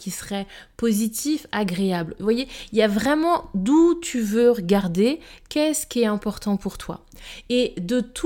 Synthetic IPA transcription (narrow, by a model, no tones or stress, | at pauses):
kʲisəʁɛ | pozit̪ifaɡʁeablvwajeiljavʁɛmɑ̃d̪ut̪ʰyvøʁəɡaʁd̪ekʲɛsə̥kʲiɛɛ̃pɔʁt̪ɑ̃puʁt̪wa̰ | ed̪ət̪ʰu